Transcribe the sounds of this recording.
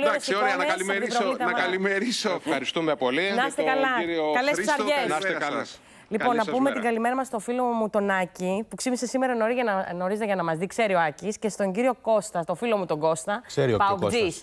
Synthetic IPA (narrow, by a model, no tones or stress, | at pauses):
lioɐsoomeɐliɾiɾolit̪ɐɐɐɐlimeɾisofxɐɾist̪umepolinɐst̪ekɐlɐkɐlessɐɾʝesɐsɐl | lipo̞nːɐpuume̞t̪iɡɐlimeɾɐmɐst̪o̞filo̞mut̪o̞nɐcipuksimise̞sime̞ɾɐno̞ɾizʝɐnɐno̞ɾizet̪eʝɐnɐmɐzðikse̞ɾio̞ɐcisce̞st̪o̞ɲɟiɾio̞ko̞st̪ɐst̪o̞filo̞mut̪o̞ɡo̞st̪ɐkseɾiopɐozis